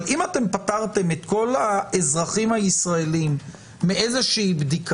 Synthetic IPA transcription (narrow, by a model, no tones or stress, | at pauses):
imat̪e̞mpat̪aʁt̪e̞me̞t̪ko̞laezʁaχimhajisʁaelimː | eʔezeʃiːbd̪ik